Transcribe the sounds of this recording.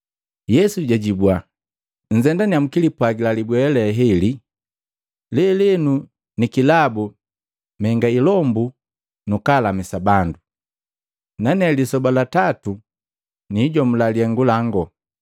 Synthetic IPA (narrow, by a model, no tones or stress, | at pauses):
jɛsuɟaɟibwa | n̩zɛndaniamukilipwaɡilalibwɛlɛɦɛli | lɛlɛnu | nikilabu | mɛŋɡailɔmbu | nukalamisabandu | nanɛlisɔbalatatu | niːɟɔmulaliɛŋɡulaŋɡɔ